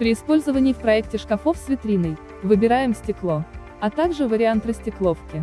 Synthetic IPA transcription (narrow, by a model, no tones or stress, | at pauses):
pɾʲɪɪspo̞lʲzəvənʲɪjfpɾɐɛk̚tʲɪʂkɐfofsvʲɪt̪ɾʲinəj | vɨbʲɪɾajɪmsʲtʲɪklˠo̞ | ɐt̪aɡʐɨvəɾʲɪant̪rəsʲtʲɪklˠofkʲɪ